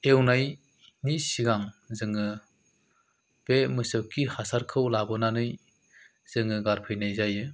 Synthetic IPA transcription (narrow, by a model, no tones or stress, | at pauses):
ewnaj | nisiɡaŋzɯŋɯ | b̥emɯsɯwkʰihasaɾkʰɯwlabɯnanɯj | z̥ɯŋɯɡaɾpʰɯjnajzajɯ